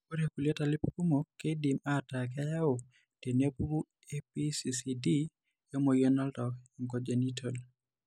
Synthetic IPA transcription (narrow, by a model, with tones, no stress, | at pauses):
ko˦ɾeku˨le˦ta˨lɪ˦pku˦mokːe˦dimatak̬a˦ja˦o˨ | te˨ne˦pu˦u˦ | episisidi | jɔ˦mo˨jɔna˦ldɔ˨kiŋkod͡ʒe˨nitʰol